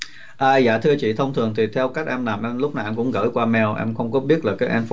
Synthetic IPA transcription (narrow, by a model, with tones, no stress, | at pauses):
ʔəː˨˩za̰ː˧˨t̪ʰɨ˧ət͡ɕḭ˧˨t̪ʰə˧wŋ͡mt̪ʰɨ˨˩əŋt̪ʰi˨˩t̪ʰɛ˧wka˦˥jk̟̚ʔɛ˧mla˨˩mʔɛ˧mlʊ˦˥k͡p̚na˨˩˨ʔɛ˧mkʊ̰˧˥ŋ͡mɣə̰ː˧˥jkwaː˧mɛ˧wʔɛ̰˧mxə˧wŋ͡mkɔ˨˦ɓi˦˥ət̚la˨˩kaː˨˦jʔɛ˧nf